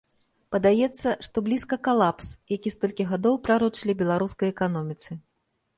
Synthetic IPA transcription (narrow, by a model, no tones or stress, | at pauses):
pɐd̪ajɛt̪sːɐʂt̪ɔblʲiskɐkalˠapsjakʲist̪ɔlʲkʲiɣad̪ɔwpɾaɾut͡ʂɨlʲibʲɛlˠaɾuskɐjɛkanɔmʲit̪sɨ